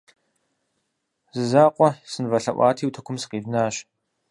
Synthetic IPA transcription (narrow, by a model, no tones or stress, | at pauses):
zɨzaːqʷʼɔsɨnvɐɬɐʔʷɑ̰ːtʰiːwtʰɐkʷʰʊmsɨ̥qeːvnaːɕ